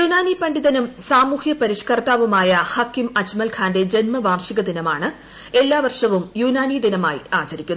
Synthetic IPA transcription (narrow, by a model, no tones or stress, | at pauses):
junaːnipɐɳɖiðɐnumsaːmuːhjɐpɐɾiʂkɐrt̪aːʋumaːjɐhaːkːimɐd͡ʑmɐlkʰaːnde̞d͡ʑe̞nmɐʋaːrʂiɣɐd̪inɐmaːɳɨ | e̞lːaːʋɐrʂɐʋumjuːnaːnid̪inɐmaːjiaːt͡ɕɐɾikʲːunː